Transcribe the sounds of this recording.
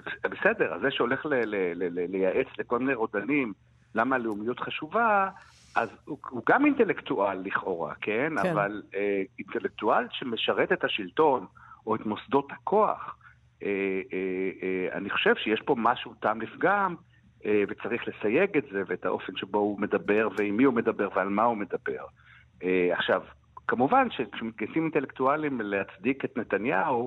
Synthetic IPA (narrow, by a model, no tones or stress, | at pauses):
bese̞de̞ʁa̰zːeʃeo̞le̞χlelelelelejaʔet͡sleko̞lmineʁo̞danim | lamaleumijut̪χaʃuva | ʔazhuɡamint̪e̞lekt̪uʔalːiχo̞ʁa̰kʰenavaleintelek̚tualʃeme̞ʃaʁe̞t̪et̪haʃilto̞no̞etmo̞sd̪o̞thakʰo̞a̰χ | e | a̰niχo̞̥ʃev̥ʃejeʃpo̞maʃutamlifɡam | evet͡saʁiχle̞saje̞ɡetzeveeta̰ʔo̞fe̞nʃebo̞ume̞dabe̞ʁveimːiume̞dabe̞ʁvealmaume̞dabe̞̰ʁ | eaχʃav | kamuvanʃekʃemit̪̚ɡajsimint̪e̞lektualimleat͡sd̪iket̪net̪anjau